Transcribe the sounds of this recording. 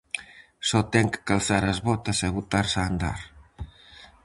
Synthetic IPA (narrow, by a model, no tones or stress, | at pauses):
sɔt̪ɛŋkkalθaɾɐzβɔt̪ɐsaβut̪aɾsaːnd̪a̰ɾ